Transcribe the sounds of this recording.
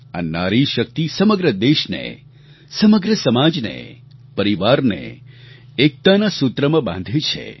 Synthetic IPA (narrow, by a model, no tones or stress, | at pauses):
a̰na̰ɾiʃək̚t̪isəməɡɾəd̪eʃnḛ | səməɡɾəsəmad͡ʒnḛ | pəɾiʋaɾnḛ | ek̚t̪anasut̪ɾəmãbã̰nd̪ʱet͡ʃʰḛ